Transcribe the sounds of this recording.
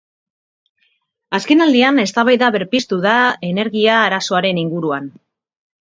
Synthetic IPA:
aske̞nald̪iane̞st̪aβajðaβe̞ɾpist̪uðaene̞ɾɣiaːɾaso̞aɾe̞niŋɡuɾuan

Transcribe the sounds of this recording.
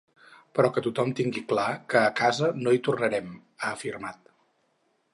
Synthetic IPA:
pɾɔkət̪ut̪ɔmt̪iŋɡiklakəːkazənoit̪urnəɾɛm | əːfirmat̪

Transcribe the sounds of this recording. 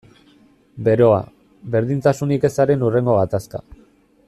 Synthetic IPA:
be̞ɾo̞a̰ | βbe̞ɾðint̪asunike̞saɾe̞nure̞ŋɡo̞ɣat̪aska̰

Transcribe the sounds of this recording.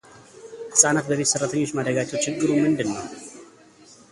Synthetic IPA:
hɨsʼanat̪̚bəβe̞t̪sɨrːət̪ʰəɲːo̞t͡ʃːmad̪ɾəɡat͡ʃːɛwt͡ʃʰɪɡːɨɾumɨnd̪ɨnːəw

